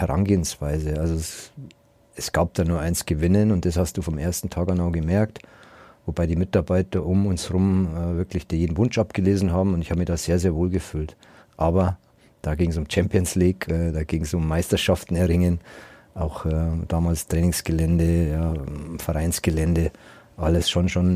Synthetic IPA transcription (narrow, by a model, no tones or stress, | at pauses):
hɛʁa̰nɡeːənsv̥aɪzəʔalzos | ɛsɡ̥aːp̚d̥aːnuːɐʔaɪnsɡ̥əvɪnənʊnt̚d̥ashast̚d̥uːfɔmʔeːɐstn̩tʰaːkanaʊɡəmɛɐktvobaɪdiːmɪtaɐbaɪtɐʔʊmʊnsʁʊmɛːvɪɐklɪçd̥iːɐjeːdn̩vʊnt͡ʃʔap̚ɡ̥əleːzn̩ɦaːbm̩ʊntɪçhaːbəmiçd̥aːz̥eːɐzeːɐvoːlɡəfyːlt | ʔaːbɐ | d̥aːɡɪŋs̬ʊmt͡ʃɛmpiənsliːkʰɛdaːɡɪŋsʊmːaɪstɐʃaftn̩ɛɐʁɪŋən | ʔaʊxɛd̥aːmaːlstʁ̥ɛːnɪŋsɡ̥əlɛndəjaːfɛʁaɪnsɡ̥əlɛndə | ʔaləsʃonʃon